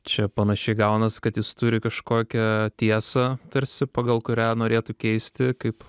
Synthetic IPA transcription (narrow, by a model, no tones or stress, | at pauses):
t͡ʃʲɛpɐnɐʃʲɛɪɡɐʊnɐskɐt̪jɪst̪uːɾʲɪkɐʃkoːkʲɛt̪ʲiɛsɐt̪ɐɾʲsʲɪpɑɡɐlˠkʊɾʲæːnoːɾʲeːt̪ʊkʲɛɪsʲt̪ʲɪkɐɪp